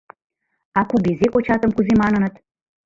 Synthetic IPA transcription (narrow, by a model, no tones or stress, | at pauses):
ɑkubezekot͡ɕɑt̪ə̆mkuzemɑnə̆nə̆t̪